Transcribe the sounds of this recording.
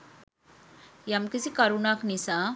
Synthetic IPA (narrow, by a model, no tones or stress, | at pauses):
jamkisikaɾunaknisa